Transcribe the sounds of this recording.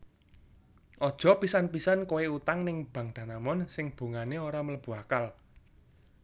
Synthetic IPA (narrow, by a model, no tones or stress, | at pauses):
ʔɔd̥ʒ̥ɔ̤pisanpisankoweut̪aŋnɪŋb̥ä̤ŋd̪̥a̤namɔnsɪŋb̥ṳŋaneoɾamələb̥ṳakal